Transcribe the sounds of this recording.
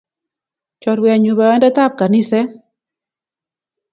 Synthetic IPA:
t͡ʃɔ˨twɛ˨a˨ɲu˨ba˨ɛ˦nda˦t̪a˦p̚ka˨nɪ˦sɛ˦

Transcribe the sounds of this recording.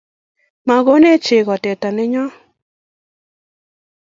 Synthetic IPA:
ma˨ɣo˦ne˦t͡ʃɪ˨ɣɔ˨tɛ˨tɔ˨nɪ˦ɲɔ˦

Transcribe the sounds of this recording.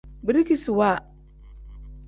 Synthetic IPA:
bi˦ɾi˦ki˦su˨wa˦˨

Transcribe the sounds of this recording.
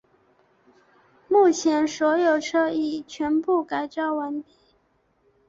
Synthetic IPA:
mu˥˩t͡ɕʰjɛ˧˥nswɔ˧˥jo˨˩ʊʈ͡ʂʰɤ˥˧i˥˩t͡ɕʰɥɛ˧˥npu˥˩ka˨˩ɪʈ͡ʂɑ˥ʊwə˧˥nt̪i˧˥˦

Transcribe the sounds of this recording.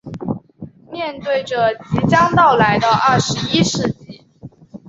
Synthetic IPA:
mjɛ˥˧nt̪we˥˩ɪʈ͡ʂə˩t͡ɕi˧˥t͡ɕjɑ˥ŋt̪ɑ˥˩ʊla˧˥ɪd̪ə˧ʔɐ˥˩ʂɻ̩˧˥i˥ʂɻ̩˥˧t͡ɕi˥˩

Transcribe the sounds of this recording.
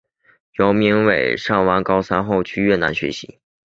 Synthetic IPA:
jo˧˥ʊmi˧˥ŋwe˨˩ɪʂɑ˥˩ŋwa˧˥nkɑ˥ʊsa˥nxo˥˧ʊt͡ɕʰy˥ɥɛ˥˩na̰˧˥nɕɥɛ̰˧˥ɕḭ˧˥˦

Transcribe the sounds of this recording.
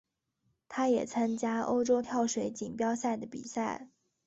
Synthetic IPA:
t̪ʰa˥jɛ˨˩t͡sʰa˥nt͡ɕja˥o̰˥ʊʈ͡ʂo˥ʊt̪ʰjɑ˥˩ʊʂwe˧˥ɪt͡ɕi˨˩ŋpjɑ˥ʊsa˥˩ɪd̪ə˩pḭ˨˩sa˥˩ɪ

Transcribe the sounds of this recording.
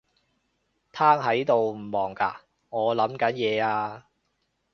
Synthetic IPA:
t̪ʰaː˥ŋɦɐ˨˥jt̪o˨wm̩˨˩mɔː˨˩ŋka̰ː˧ | ŋɔː˨˧lɐ˨˥mkɐ˨˥njɛː˨˧aː˧

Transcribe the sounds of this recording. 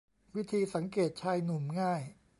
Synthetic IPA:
wi˦˥t̪ʰiː˧sa˩˦ŋkeː˨˩t̪̚t͡ɕʰaː˧jnu˨˩mŋaː˥˩j

